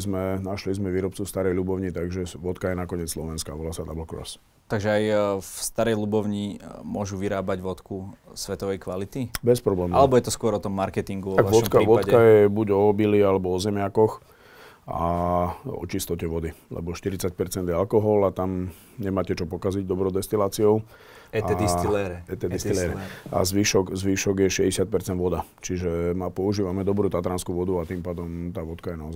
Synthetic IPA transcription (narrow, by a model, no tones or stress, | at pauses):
zmɛnaʃlizmɛʋiːɾɔp̚t͡sufst̪aɾɛjlubɔʊɲit̪aɡʒɛʋɔt̪kajɛnakɔɲɪɛt͡sslɔʋɛnska̰ʋɔlaːsat̪abl̩kɾɔ̰s | t̪aɡʒɛajfst̪aɾɛjlubɔʊɲimʊɔʒuʋiɾaːbaɟʋɔt̪kusʋɛt̪ɔʋɛjkʋalit̪ibɛspɾɔblɛːmalɛbɔjɛt̪ɔskʊɔɾɔt̪ɔmːaɾkɛt̪iŋɡuʋɔaɡaʋɔt̪kaʋɔkajɛbuɟɔbilialɛbɔɔzɛmɪakɔx | a̰ | ɔ̰t͡ʃist̪ɔcɛʋɔd̪ilɛ̰bɔʃt̪iɾit͡sac̚pɛɾt͡sɛnd̪jɛalkɔɦɔlat̪am | ɲɛmaːcɛt͡ʃɔpɔkaziɟd̪ɔbɾɔʊd̪ɛst̪ilaːt͡siɔʊ | ɛaiɛɾɛt̪ɛd̪ist̪ilɛɾɛa̰zʋiːʃɔɡzʋiːʃɔɡjɛʃɛzɟɛsɪat̪̚pɛɾt͡sɛnd̪ʋɔd̪at͡ʃiʒɛmapɔuʒiːʋamɛd̪ɔbɾuːt̪at̪ɾaːnskuʋɔd̪uat̪impaːd̪ɔmt̪aːʋɔt̪kajɛnaɔza